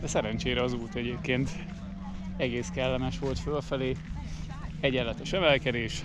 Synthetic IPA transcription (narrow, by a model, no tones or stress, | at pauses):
ɛsɛɾɛnt͡ʃeːɾɛɒzuːt̪ɛɟeːp̚keːnt̪ | ɛɡeːskɛlːɛmɛʃʋo̞lt̪følfɛleː | ɛɟɛlːɛt̪ɛʃɛmɛlkɛd̪eːʃ